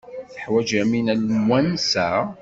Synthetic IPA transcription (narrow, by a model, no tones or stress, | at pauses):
θəħwæd͡ʒæminəlmwænsæ